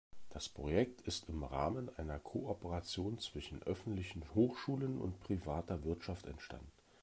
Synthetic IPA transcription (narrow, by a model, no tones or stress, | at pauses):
d̥aspʁ̥ojɛk̚tʰɪstɪmʁaːmənʔaɪnɐkʰoʔɔpəʁat͡sjoːnt͡sv̥ɪʃn̩ʔœfn̩tlɪçn̩hoːxʃuːlənʊ̰ntpʁ̥ivaːtɐvɪɐtʃaftɛ̰ntʃta̰ndnn̩